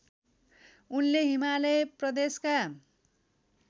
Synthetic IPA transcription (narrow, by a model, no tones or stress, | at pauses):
unleɦimaleprʌd̪eska